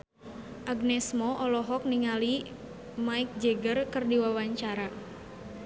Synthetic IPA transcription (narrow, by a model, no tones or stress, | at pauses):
ʔaɡnɛsmɔʔɔlɔɦɔk̚niŋali | maɪk̚d͡ʒɛɡərkɨrdiwawaɲt͡ʃaɾa